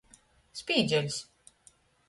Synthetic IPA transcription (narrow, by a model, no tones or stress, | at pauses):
spʲiːd̪zʲɛlʲs